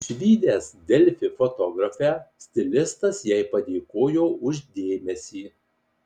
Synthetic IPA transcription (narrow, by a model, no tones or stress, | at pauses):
ʃʲʋʲiːd̪ʲeːsd̪ʲɛlʲfʲɪfot̪ɔːɡɾɐfʲæːsʲt̪ʲɪlʲɪst̪ɐsjɛɪpɐd̪ʲeːkoːjoːʔʊʒʲd̪ʲeːmʲɛsʲiː